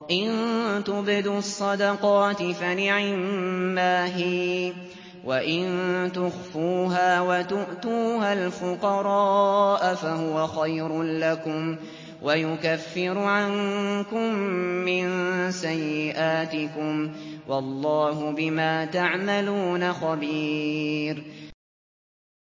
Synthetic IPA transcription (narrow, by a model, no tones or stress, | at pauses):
ʔɪnt̪ʊbɪd̪uɑsˤːɑd̪ɑqɑːt̪ɪfanɪʕɪmːaːɦiː | wʔaʔɪnt̪ʊxfuːɦaːwat̪ʊʔt̪uːhalfʊqɑɾˤɑːʔafahʊwaxajɾʊlakʊm | wʔajʊkafːɪɾʊʕaŋkʊmːɪnsajːɪʔaːt̪ɪkʊmwʔɑlˤːɑːɦʊbɪmaːt̪aʕmaluːnaxabiːɾ